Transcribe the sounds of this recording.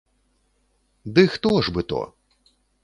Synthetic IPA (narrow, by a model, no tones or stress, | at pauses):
d̪ɨxt̪ɔʐbɨt̪ɔ̰